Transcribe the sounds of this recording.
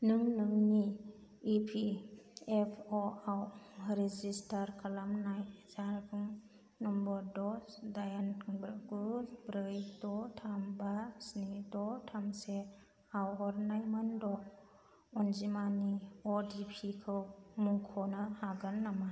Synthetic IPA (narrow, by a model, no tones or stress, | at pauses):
nɯŋnɯŋniipʰiepʰɔawɾed͡ʒistaɾkʰalamnajzaɾbuŋ | nɔmbɔɾdɔdajanbɾaɡusbɾɯjdɔtʰambasnidɔtʰamse | awɦɔɾnajmandɔ | ɔnd͡ʒimaniɔdipʰikʰɯwmuŋkʰɔnaaɡɯnːama